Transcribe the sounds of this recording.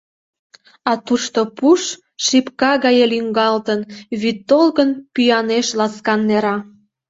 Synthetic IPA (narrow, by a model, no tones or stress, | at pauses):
ɑt̪uʃt̪opuʃ | ʃipkɑɣɑjelyŋɡɑlt̪ənβyt̪ːolɣənpyjɑneʃlɑskɑnːeɾɑ